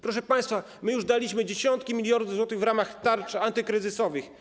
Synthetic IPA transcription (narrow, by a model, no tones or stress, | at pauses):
pɾɔʂ̬ɛpaj̃st̪fa | mɘjuʐd̪alʲiɕmɘd͡ʑeɕɔnt̪̚kʲimʲilʲjɔɾd̪zwɔt̪ɘɣvɾamaxt̪aɾt͡ʂant̪ɘkɾɘzɘsɔvɘx